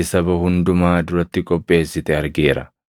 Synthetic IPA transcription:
ɪsɐbɐhʊnd̪ʊmaːd̪ʊɾɐt̪ːɪkʼɔpʼːe̞ːsːɪt̪ɛɐɾɡe̞ːɾɐ̰

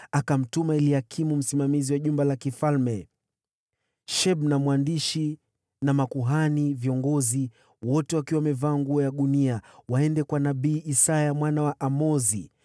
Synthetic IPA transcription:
akam̩tumailihakʰimum̩simamiziwaʄumbalakifalmɛ | ʃɛɓ̚namwandiʃi | namakuɦaniviɔŋɡɔzi | wɔtɛwakiwamɛvaːŋɡuɔjaɗuniawaɛndɛkwanaɓiːʔisajamwanawaʔamɔzi

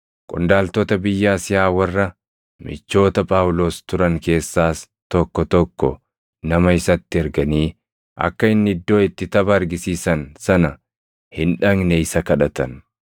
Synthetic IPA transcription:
kʼʊ̰nd̪aːlt̪ot̪ɐbɪjːaːsɪjaːwɐrːɐ | mɪ̰t͡ʃːo̞ːt̪ɐpʼaːwlo̞ːst̪ʊɾɐŋke̞ːsːaːs | t̪ɔkːɔt̪ɔkːɔ̰ | nɐmɐɪsɐt̪ːɪɛɾɡɐniː | ʔɐ̰kːɐɪnːɪd̪ːo̞ːɪt̪ːɪt̪ɐbɐːɾɡɪsiːsɐnsɐnɐ | hɪnᶑɐŋnɛɪsɐkɐᶑɐt̪ɐn

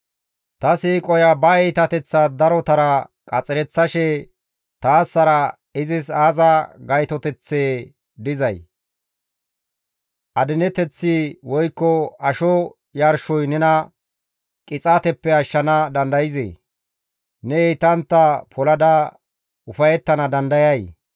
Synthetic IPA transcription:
t̪ɐsiːkʼɔjɐbɐɛjt̪ɐt̪ɛt͡sːɐd̪ɐɾɔt̪ɐɾɐkʼɐt͡sʼɪɾɛt͡sːɐʃɛ | t̪aːsːɐɾɐ | ɪzɪsaːzɐɡɐjt̪ɔt̪ɛt͡sːeː | d̪ɪzɐj | ʔɐd̪ɪnɛt̪ɛt͡sːɪwɔjkːɔɐʃɔ | jɐɾʃɔjnɛnɐ | kʼɪt͡sʼat̪ɛpːɛɐʃːɐnɐd̪ɐnd̪ɐjɪzḛː | nɛɛjt̪ɐnt̪ːɐpʰɔlɐd̪ɐ | ʊfɐjɛt̪ːɐnɐd̪ɐnd̪ɐjɐj

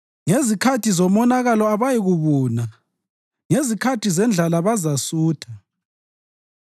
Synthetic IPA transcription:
ŋezikʰatʰizɔmɔnaɣalɔaβajiɣuβuːna | ŋezikʰatʰizɛnd͡ɮʱalaβazasuːtʰa

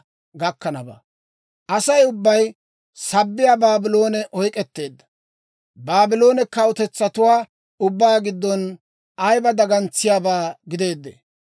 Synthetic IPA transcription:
ɡɐkːɐnɐba̰ | ʔɐsɐjʊbːɐj | sɐbːɪjaːbaːbɪlo̞ːnɛʔɔjkʼɛt̪ːe̞ːd̪ːɐ̥ | baːbɪlo̞ːnɛkɐwʊt̪ɛt͡sːɐt̪ʊwaː | ʊbːaːɡɪd̪ːɔn | ʔɐjbɐd̪ɐɡɐnt͡sːɪjaːbaːɡɪd̪e̞ːd̪ːḛː

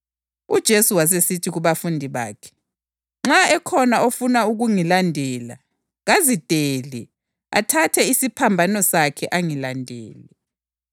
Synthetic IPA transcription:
ud̥ʒ̥ʱesuwas̬esitʰiɣuβafundʱiβa̰ːkʰɛ̥ | ŋ͡ǁaɛkʰɔnaofunauɣuŋilandʱɛla | ɣazid̥ʱeːlɛ | a̰tʰatʰɛisipʰambʱanɔsakʰɛʔaŋilandʱɛ̰ːlɛ

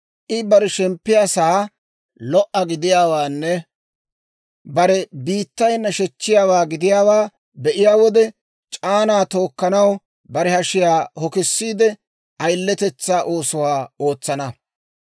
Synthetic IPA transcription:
ʔɪbɐɾɛʃɛmpːɪjaːsaː | lɔʔɐɡɪd̪ɪjaːwaːnːɛ | bɐɾɛbiːt̪ːɐjnːɐʃɛt͡ʃːɪjaːwaːɡɪd̪ɪjaːwaː | bɛʔɪjaːwɔd̪ɛ | t͡ʃʼaːnaːt̪o̞ːkːɐnɐw | bɐɾɛhɐʃɪjaːhɔkɪsːiːd̪ɛ | ʔɐjlːɛt̪ɛt͡sːaːʔo̞ːsʊwaːo̞ːt͡sːɐnɐ

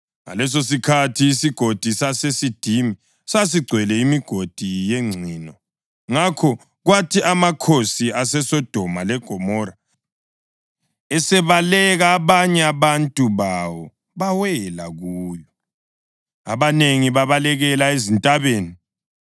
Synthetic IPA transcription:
ŋa̰lɛs̬os̬ikʰatʰiːsiɡ̥ʱod̥ʱisasesid̥ʱimi | sas̬iɡ͡ǀʱwɛlɛimiɡ̥ʱod̥ʱijeŋ͡ǀʱiːnɔ | ŋakʰɔ | ɣwatʰiamakʰosiasɛsɔd̥ʱɔmalɛɡ̥ʱɔmɔːɾa | ɛsɛβalɛɣaːβaɲɛaβantʼuβawɔ | βawɛlaɣuːjɔ | a̰βaneŋiβaβalɛɣɛlaezintʼaβeːni

